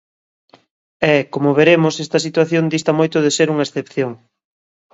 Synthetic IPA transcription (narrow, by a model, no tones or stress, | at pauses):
ɛkomoβeɾemosest̪ɐsit̪waθjond̪ist̪ɐmojt̪ʊðeseɾuŋɐesθepθjoŋ